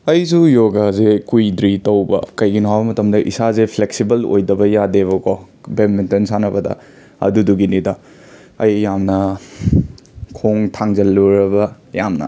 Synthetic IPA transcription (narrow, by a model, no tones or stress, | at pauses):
ɐjsujoɡazekujdɾitɐwbɐ̰kɐjɡinɔwabɐmɐtɐmdɐʔḭsazepʰleksibɐlo̰jdɐbɐjadeβɐko | bemmentɐnsanɐbɐdɐ̰ | ɐ̰duduɡinidɐ | ɐjːamnɐ | kʰoŋtʰaŋzɐlːuɾɐbɐ | jamnɐ̰